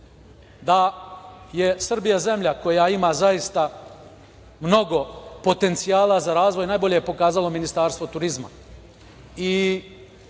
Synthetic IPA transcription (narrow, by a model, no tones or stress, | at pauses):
d̪a | jesr̩bijaze̞mʎako̞jaimaːzajist̪a | mno̞ɡo̞po̞t̪e̞nt̪sijaːlˠazaɾaːzʋo̞jnaːjbo̞ʎejepo̞kaːzalo̞minist̪aːɾst̪ʋot̪uɾizma̰ | i